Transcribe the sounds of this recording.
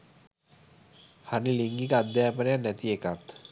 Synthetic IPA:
haniliŋɡikəad̪jaːpənejanɛt̪iekat̪

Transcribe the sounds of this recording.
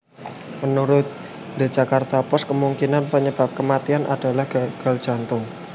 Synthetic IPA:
mənuɾʊt̪̚ | de̤̥d͡ʒ̥a̤kart̪apɔskəmuŋkinanpəɲəb̥ap̚kəmat̪ianʔa̰d̥a̤lahɡ̥aɡ̥a̤ld̥ʒ̥a̤nt̪ʊŋ

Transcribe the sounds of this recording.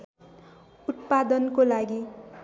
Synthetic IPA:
ut̪̚pad̪ʌnkolaɡi

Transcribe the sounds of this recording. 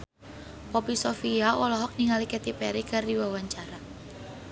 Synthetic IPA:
pɔpisɔfiaʔɔlɔɦɔk̚niŋalikɛt̪ipɛɾikardiwawaɲt͡ʃaɾa

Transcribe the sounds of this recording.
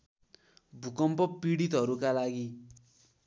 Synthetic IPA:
bʱukʌmpʌpiɽit̪ɦʌɾukalaɡi

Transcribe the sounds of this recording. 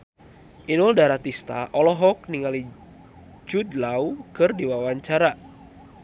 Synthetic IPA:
ʔinɔldaɾat̪ist̪aʔɔlɔɦɔk̚niŋali | d͡ʒudlaukɨrdiwawaɲt͡ʃaɾa

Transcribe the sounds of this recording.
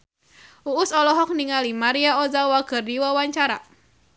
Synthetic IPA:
uʊsɔlɔɦɔk̚niŋalimaɾiaɔzawakɨrdiwawaɲt͡ʃaɾa

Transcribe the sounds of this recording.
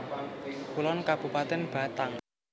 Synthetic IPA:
kulɔnkab̥ṳpat̪ɛnb̥a̤t̪aŋ

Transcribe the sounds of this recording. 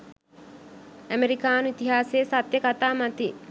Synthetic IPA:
æmeɾikaːnuit̪iɦaːseːsat̪jəkat̪aːmat̪i

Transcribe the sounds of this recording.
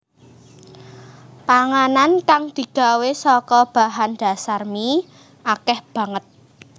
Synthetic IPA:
paŋanankaŋd̪̥i̤ɡ̥a̤wesɔkɔb̥a̤ɦand̪̥a̤sarmi | akɛhb̥ä̤ŋət̪̚

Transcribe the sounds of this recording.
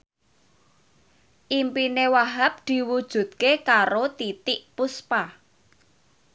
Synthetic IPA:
ʔimpinewaɦap̚d̪̥i̤wud̥ʒ̥ṳd̪̥̚kekaɾot̪it̪ɪʔpuspa

